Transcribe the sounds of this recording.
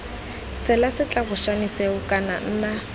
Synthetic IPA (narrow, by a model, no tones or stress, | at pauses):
t͡sʰɛlasɪt͡ɬʼabʊʃaniseʊkʼana̰n̩ːna